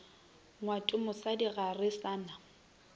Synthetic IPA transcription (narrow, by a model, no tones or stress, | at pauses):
ŋwatʼʊmʊsadiɣarɪsaːna